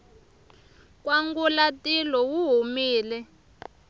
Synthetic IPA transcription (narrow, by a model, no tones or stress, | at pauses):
k̬ʼwaŋɡulatilɔwuɦumiːlɛ